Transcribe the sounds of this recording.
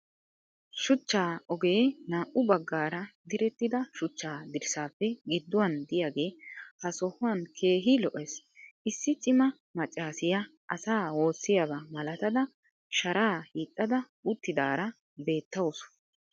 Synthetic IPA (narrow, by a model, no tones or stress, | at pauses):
ʃʊt͡ʃːaːɔɡenaːʔʊbɐɡːaːɾɐd̪ɪɾɛt̪ːɪd̪ɐʃʊt͡ʃːaːd̪ɪɾsaːpːɛɡɪd̪ːʊwɐnd̪ɪjaːɡe̞ːhɐsɔhʊwɐnkʰe̞ːɦɪlɔʔes | ʔɪsːɪt͡ʃʼɪmɐ | mɐt͡ʃʼːaːsɪjɐ | ʔɐsaːwo̞ːsːɪjabɐmɐlɐt̪ɐd̪ɐ | ʃɐɾaːhiːt̪ʼːɐd̪ɐ | ʊt̪ːɪd̪aːɾɐ | be̞ːt̪ːɐwsʊ̥